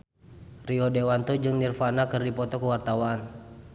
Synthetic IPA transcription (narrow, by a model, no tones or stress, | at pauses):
riɔdewant̪ɔd͡ʒɨŋnirfanakɨrdipɔt̪ɔkəwart̪awaːn